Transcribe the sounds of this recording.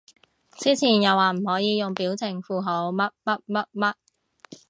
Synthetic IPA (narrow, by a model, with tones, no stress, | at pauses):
t͡siː˥t͡sʰiː˨˩njɐ˨˧waː˨˩m̩˨˩hɔː˨˥jiː˨˧jʊ˨ŋpiː˨˥wt͡sʰɪ˨˩ŋfuː˨˧ɦo˨˧˥wmɐ˥t̚mɐ˥t̚mɐ˦˥t̚mɐ˦˥t̚